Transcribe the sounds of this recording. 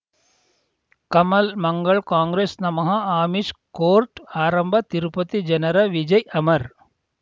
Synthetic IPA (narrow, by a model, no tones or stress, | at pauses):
kɐmɐlmɐŋɡɐɭkaːŋɡɾeːsnɐmɐɦɐaːmiʃkoːɾʈaːɾɐmbʱɐt̪iɾupɐt̪id͡ʒɐnɐɾɐʋid͡ʒɐjɐmɐɾ